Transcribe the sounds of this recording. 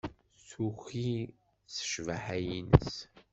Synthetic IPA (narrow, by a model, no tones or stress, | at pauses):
suxi | sə̥ʃvəħæjinə̰s